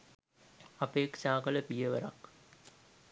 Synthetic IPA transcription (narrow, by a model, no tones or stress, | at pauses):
ɐpeːkʃaːkələpijəʋəɾak